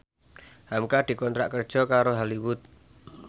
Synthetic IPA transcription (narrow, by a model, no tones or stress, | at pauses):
hamkad̪̥i̤kɔnt̪ɾaʔkərd̥ʒ̥ɔ̤kaɾoɦaliwʊt̪̚